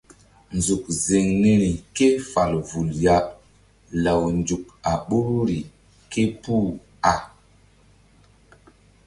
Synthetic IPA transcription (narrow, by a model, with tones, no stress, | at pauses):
nzu˨k̚ze˨ŋne˦ɾi˨ke˦fa˨lvu˨lja˦ | la˨wnd͡ʒu˨k̚a˨ɓo˦ɾi˨ | ke˦pu˦˨ | a˨